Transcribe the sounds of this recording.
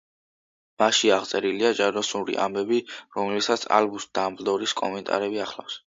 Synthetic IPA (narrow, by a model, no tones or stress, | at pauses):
maʃiaʁt̪sʼɛɾiliad͡ʒaɾd̪ɔsuɾḭʔa̰mbɛbiɾɔmlisat̪sʰa̰lbusd̪ambld̪ɔɾiskʼɔ̰mɛnt̪ʼa̰ɾɛbiaχla̰fs